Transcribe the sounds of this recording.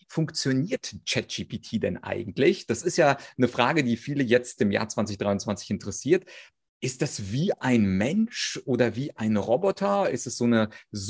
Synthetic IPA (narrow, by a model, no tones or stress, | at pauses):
viːfʊŋkt͡sjoniːɐtt͡ʃɛt̚ʒ̥iːpitʰiːdɛ̰nʔa̰ɪɡŋ̩tlɪçd̥asɪstjaːnəfʁ̥aːɡədiːfiːləjɛt͡stɪmja̰ːɐt͡sv̥ant͡sɪçd̥ʁaɪʊnt͡sv̥ant͡sɪçɪntəʁɛsiːɐt | ʔɪst̚d̥asv̥iːʔaɪnmɛnʃʔoːdɐviːʔaɪnʁɔbɔtʰɐɪstɛsz̥oːnəz